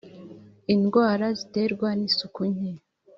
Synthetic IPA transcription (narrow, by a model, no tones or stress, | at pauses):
inɡwaːɾazite̞ɾɡwanisukuɲe